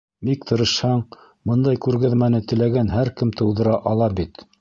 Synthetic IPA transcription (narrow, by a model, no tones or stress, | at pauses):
mik̚t̪ʰɤ̆ɾɤ̆ʃhɑɴ | bɤnd̪ɑjkʉɾɡæðmænɘt̪ɘ̆læɡænɦæɾkɘmt̪ɤ̆wðɤ̆ɾɑʔɑlˠɑbit̪